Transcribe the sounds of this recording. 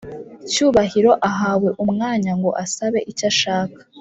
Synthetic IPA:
cuːβaɦiɾo̞ʔaɦaːwe̞ʔumŋaːɲaŋɡo̞ʔasaβe̞̰ʔicaʃaːkḁ

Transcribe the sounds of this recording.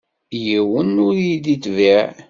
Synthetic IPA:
jiwənʊɾjid̪it̪ːviʕ

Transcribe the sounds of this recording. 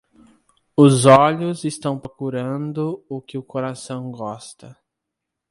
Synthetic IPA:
ʊzɔʎʊzɪst̪ɐ̃w̃pɾokuɾɐ̃nd̪ʊʊkɪʊkoɾasɐ̃w̃ɡɔst̪ɐ

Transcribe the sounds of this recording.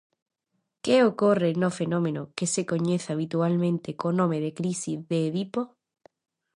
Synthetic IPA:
keokorenofenõmẽnokesekoɲeθaβ̞it̪ualmẽnt̪ekonõmeð̞ekɾisizðeːβipo

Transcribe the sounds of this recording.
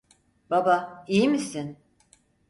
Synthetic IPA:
b̥abaijimisin

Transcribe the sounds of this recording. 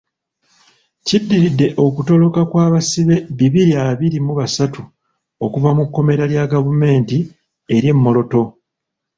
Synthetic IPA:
cidːiɾidːe̞ʔo̞kuto̞lo̞kakwaːβasiβe̞βiβiɾiaβiɾimuβasatu | o̞kuvamukːo̞me̞ɾaljaɡavume̞ːnti | e̞ɾje̞mːo̞lo̞to̞

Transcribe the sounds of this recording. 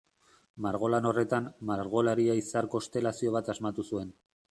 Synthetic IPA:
maɾɣ̞o̞lano̞re̞t̪ammaɾɣo̞laɾiaisaɾko̞st̪e̞lasio̞β̞at̪azmat̪usue̞n

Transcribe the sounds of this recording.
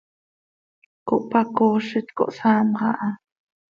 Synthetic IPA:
koʔpakoːʃət̪ko̰ʔsaːmʁɑ̰ʔɑ

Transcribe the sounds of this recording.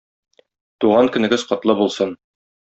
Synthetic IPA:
t̪uʁɑŋkɵ̆nɘ̆ɡɘz̥qɒt̪lˠɤbulˠsɤn

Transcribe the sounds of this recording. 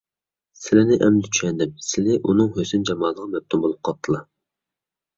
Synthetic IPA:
sɪlɪnɪʔɛmlɪt͡ʃʰy̥ʃɛnd̪ɪp̚sɪlɪʔunɨŋhøsɪnd͡ʒɑmɑːlˠəʁɑmɛp̚t̪ʰumbolˠup̚qʰɑp̚t̪ʰːɨlˠɑ

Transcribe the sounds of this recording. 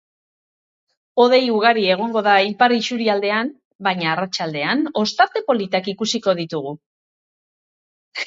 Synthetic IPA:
o̞ð̞e̞juɣ̞aɾie̞ɣ̞o̞ŋɡo̞ðailpariʃuɾiald̪e̞am | bajɲaːrat͡ʃald̪e̞ano̞st̪aɾt̪e̞po̞lit̪akikusiko̞ðit̪uɣ̞u

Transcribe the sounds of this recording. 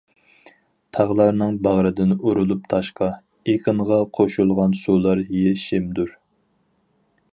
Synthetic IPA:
t̪ʰɑʁlˠɑɾnɨŋbɑʁɾɨd̪ɪnuɾulˠup̚t̪ʰɑʃqɑ | eqʰəɴʁɑqʰoʃulˠʁɑnsulˠɑɾjeʃɪmd̪uɾ

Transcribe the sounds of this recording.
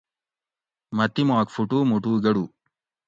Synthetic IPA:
mɐt̪ːimaːkfuʈuːmuʈuːɡɐɽu

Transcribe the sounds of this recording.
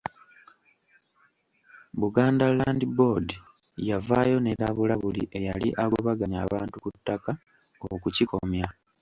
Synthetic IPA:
βuɡaːndalaːndibo̞di | javajo̞neɾaβulaβuliʔe̞jaliʔaɡoβaɡaɲa̰ːβaːntukutːaka | okuciko̞̰mja

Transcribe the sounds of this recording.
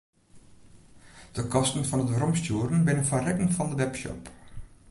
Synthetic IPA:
d̥əkɔstən̩fɑnətbrɔmstjuːɾənbɪnənfarɛkəŋfɑndəʋɛpʃɔ̰p

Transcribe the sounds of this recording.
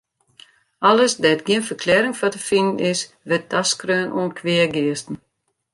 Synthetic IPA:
aləsdɛtɡiənfərkʰlɛːɾɪŋfɔtəfinən̩ɪs | ʋɪt̚daskrøːnʔṵənkʰʋɪəɡɪəstn̩

